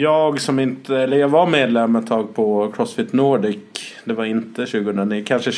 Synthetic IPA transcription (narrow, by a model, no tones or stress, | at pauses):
jɑːɡsɔmɪnt̪əɛlːəɾjɑːɡvaɾmeːd̪lɛmːɛt̪ʰːɑːɡ̚pʰɔkʰɾɔsfɪt̪ːnoːɖɪkd̪ɛvaɾɪnt̪əɕʉ̟ːɡəhɵnd̪ɾaniːəkʰanʂə